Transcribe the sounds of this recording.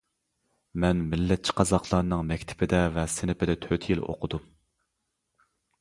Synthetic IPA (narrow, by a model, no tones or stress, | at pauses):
mɛnmɪlːɛt̪̚t͡ʃʰi̥qʰɑzɑqʰlˠɑɾnɨŋmɛkʲt̪ʰɪ̥pɪd̪ɛvɛsɪnɪpɪd̪ɛt̪ʰøt̪ʰjilo̰qʰʊd̪um